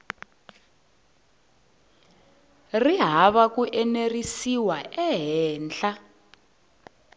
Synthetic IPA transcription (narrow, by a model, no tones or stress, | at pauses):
riɦaβak̬uʔɛnerisiwaʔɛɦɛːnt͡ɬa